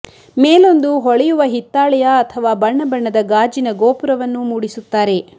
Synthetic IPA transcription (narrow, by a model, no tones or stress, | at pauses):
meːlo̞nd̪uɦɔɭɛjuʋɐɦit̪ːaːɭɛjɐːt̪ʰɐʋaːbɐɳːɐbɐɳːɐd̪ɐɡaːd͡ʒinɐɡoːpuɾɐʋɐnːumuːɽisut̪ːaːɾe̞